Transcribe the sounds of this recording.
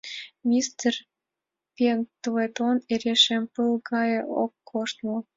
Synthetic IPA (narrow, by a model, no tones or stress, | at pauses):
mʲist̪er | pʲent̪let̪oneɾeʃempɨlɡɑjĕokːʰoʃt̪mɤ